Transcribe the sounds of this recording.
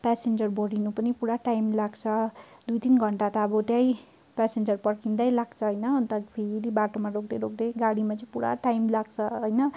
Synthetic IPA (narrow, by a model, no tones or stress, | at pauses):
pɛsend͡zʌrbʌɽinupʌnipuɽaʈajmlaɡt͡sʰʌd̪ujt̪inɡʱʌɳʈat̪aːbʌt̪jãj | pɛsend͡zʌrpʌɽkind̪ajlaɡt͡sʰʌɦʌjnʌːnt̪ʌpʰeɾiɾibaʈomaɾok̚d̪eɾok̚d̪ejɡaɽimat͡sʌ̃puɽa̰ʈajmlaɡt͡sʰʌɦojnʌ